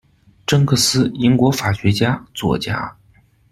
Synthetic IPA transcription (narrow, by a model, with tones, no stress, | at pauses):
ʈ͡ʂɤ˥ŋkʰɤ˥˩sɹ̩˥i˧˥ŋkwɔ˧˥fa˨˩ɕɥɛ˧˥t͡ɕja˥t͡swɔ̰˨˩t͡ɕja̰˥